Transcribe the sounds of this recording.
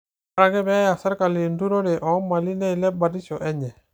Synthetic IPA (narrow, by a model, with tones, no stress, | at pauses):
a˨ɾa˨ɡɛ˦bɛ˦a˦ja˨sa˦ɾka˨li˨ndu˦ɾo˦ɾɛ˨ʔɔ˨˦ma˨li˦nɛ˦i˨lɛ˦ba˨di˦t͡ʃɔ˨ʔɛ˦ɲɛ˨